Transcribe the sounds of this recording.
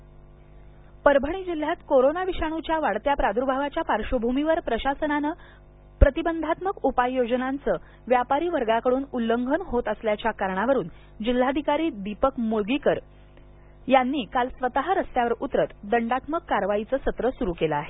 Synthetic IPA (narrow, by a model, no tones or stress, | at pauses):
pəɾbʱəɳ̃iːd͡ʑil̤ːjat̪koɾonaʋiɕaɽ̃ut͡ɕjaʋaɽt̪japɾad̪ʱuɾbʱaʋat͡ɕjapaɾʂəbʱumiʋəɾpɾəɕasənanəː | pɾət̪ibənd̪ʱat̪məkupajːod͡ʑənant͡səː | ʋjapaɾiːʋəɾɡakəɽuːnulːəŋɡʱənɦot̪əsljat͡ɕjakaɾɳ̃aʋəɾuːn | d͡ʑil̤ːad̪ʱikaɾiːd̪ipəkmuɭɡikəɾ | janːiːkalsʋət̪aɦaɾəst̪jaʋəɾut̪ɾət̪d̪əɳɖat̪məkːaɾʋait͡səːsət̪ɾəsuɾuːkeləaɦe